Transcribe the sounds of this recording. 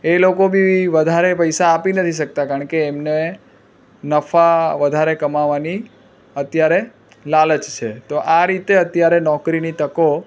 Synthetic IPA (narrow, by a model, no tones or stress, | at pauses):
elokobʱiʋəd̪ʱaɾepəjsaːpinət̪ʰiʃək̚t̪akaəɳkeːmne | nəfaʋəd̪ʱaɾekəmaʋani | ət̪jaɾe | lalət͡ʃt͡ʃʰet̪oʔaɾit̪eət̪jaɾenɔkɾinit̪əko